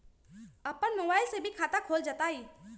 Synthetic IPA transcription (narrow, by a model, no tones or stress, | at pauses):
əpənmobaːɪlsebʱikʰaːt̪akʰoːld͡ʒat̪aːiː